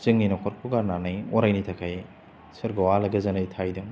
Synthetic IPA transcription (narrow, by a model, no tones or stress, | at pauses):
zɯŋninakʰɔɾkʰuɡaɾnanɯjɔɾajnitʰakʰaj | sɯɾɡawalɐɡɐzɐnɯjtʰajdɯŋ